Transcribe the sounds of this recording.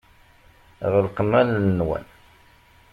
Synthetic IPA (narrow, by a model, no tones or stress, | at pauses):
ʁəlqəmːælnəːwæ̰n